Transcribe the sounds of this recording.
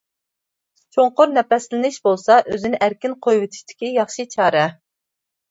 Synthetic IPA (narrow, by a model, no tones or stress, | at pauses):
t͡ʃʰoɴqʊɾnɛpɛslɪnɪʃbolˠsɑʔøzɪnɪʔæɾkʲinqʰojwɪt̪ʰɪ̥ʃt̪ʰɪ̥kʲijɑχʃit͡ʃʰɑːɾɛ